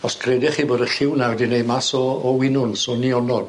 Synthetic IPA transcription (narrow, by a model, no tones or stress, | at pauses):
ɔskʰrɛdɛχiːboːdəɬɪwnawɛdinejdmasɔːwɪnʊnsɔniɔnɔd